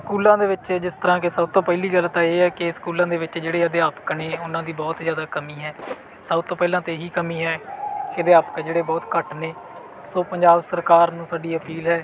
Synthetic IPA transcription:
skuːlãːd̪eːʋɪt͡ʃd͡ʒɪst̪əɾãːkɪsəbt̪õːpɛːliːɡəlt̪ãːeːɛːkɪskuːlãːd̪eːʋɪt͡ʃd͡ʒeːɽeːəd̪eːaːpkneːʊnãːd̪iːbɔːt̪zjaːd̪aːkəmiːɦɛː | səbt̪õːpɛːlãːt̪eːɦiːkəmiːɦɛːkɪəd̪eːaːpkːd͡ʒeːɽeːbɔːt̪kəʈneː | soːpəɲd͡ʒaːbsəɾkaːɾnũːsaːɖiːəpiːlɦɛː

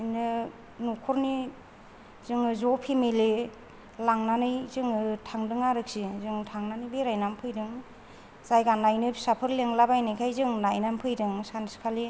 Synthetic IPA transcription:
nɯ | nukʰɔɾni | zɯŋɯzɔpʰimeli | laŋnanɯjzɯŋɯtʰaŋdɯŋaɾɯk̚sizɯŋtʰaŋnanɯbeɾajnampʰɯjdɯŋ | z̥ajɡanajnɯsapʰɯɾleŋlabajnɯjkʰajzɯŋnajnampʰɯjdɯŋsaniskʰali

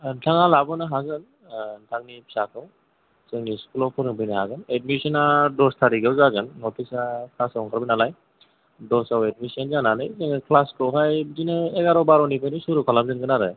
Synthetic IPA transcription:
ntʰaŋalabɯnɯɦazɯn | ntʰaŋnipʰi̥sakʰɯw | zɯŋniskulɔpʰɯɾɯŋbʰɯjnaɦazɯnet̚misɔnadɔstʰaɾiɡawzazɯnːɔtʰisakʰasaɔŋkʰaɾbɯnalaj | dɔsawed̚misanzananɯjzɯŋikʰlaskɯwɦajbzinɯeɡaɾɔwbaɾɔnipʰajnisuɾukʰalam̚zɯnɡɯnaɾɯ

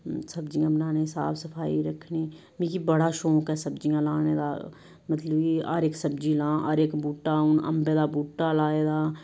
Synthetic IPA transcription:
sɐbd͡ʒijãːbnaːneɪsa̰ːbsəpʰaːḭɾɐkʰniː | mĩkibəɽaʃoːkɛsɐbd͡ʒijãlaːned̪a̰ː | mɐt̪ləbiaːɾeːksɐbd͡ʒilãːʔɔːɾeːkbuːʈːaʊnɐ̰mbed̪abuːʈːalaːeːd̪aː

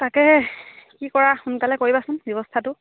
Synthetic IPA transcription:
takɛkikɔɹaxunkalɛkoɹibasʊnbjɔbɔstʰatʊ

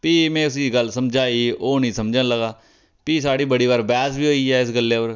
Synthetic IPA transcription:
piːmɛ̃ːʊs̬iːɡəlsəmd͡ʒaːiːoːnĩːsəmd͡ʒãːləɡaː | piːsaːɽiːbəɽiːʋaːɾbɛːsbiːoːiːɛːɪsɡəlːeːoɾ

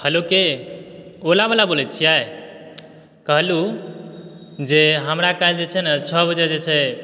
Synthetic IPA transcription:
həloke | olabəlabolɛt͡ʃʰijae | kəɦlu | d͡ʒeɦəmɾakald͡ʒet͡ʃʰɛnat͡ʃʰəbəd͡ʒed͡ʒet͡ʃʰɛ

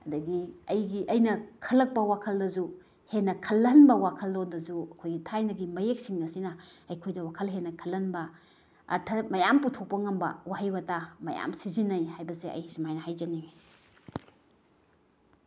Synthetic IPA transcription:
ɐdɐɡiɐjɡiʔɐjnɐkʰɐlːɐk̚pɐwakʰɐldɐzu | henːɐkʰɐlːɐnbɐwakʰɐldondɐzuɐkʰojɡitʰajnɐɡimɐjek̚siŋnɐsinɐɐjkʰojdɐwakʰɐlɦenːɐkʰɐlːɐnbɐ | ɐ̰ɾtʰɐmɐjamputʰok̚pɐŋɐmbɐ̰wahɐjbɐtamɐja̰msizinːɐjhajbɐseɐ̰jisimajnɐhajd͡ʒɐni

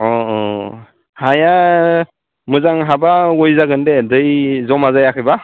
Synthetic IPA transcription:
ɔɔ̰ | haja | mɯzaŋɦabaɔjzaɡɯndedɯjzɔmazajakʰɯjba

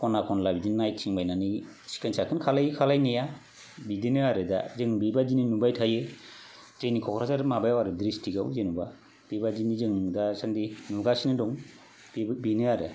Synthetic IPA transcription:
kʰɔnakʰɔnlabidinnajtʰiŋbajnani | si̥kʰansʰakʰɯnkʰalajkʰalajneja | bidinɯaɾɯda̰zɯŋbibad͡ʒininubajtʰajɯ | zɯjnikʰɔkʰɾazaɾmabajawaɾɯdɾistiɡawzenuba | b̥ibad͡ʒinizɯŋdasaŋdinuɡasinɯdɔŋ | b̥binɯaɾḛ

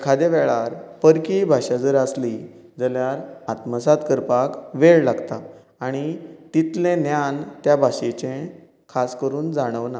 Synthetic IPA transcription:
kʰad̪eʋɛɭaɾpəɾkibʱaɕad͡zəɾasli | d͡zəljaɾat̪məsat̪kəɾpakʋeɭlaɡt̪aː | ɽ̃it̪it̪lẽnjant̪jabʱaɕet͡ɕẽ | kʰaskəɾuːnd͡zaɽ̃əʋna

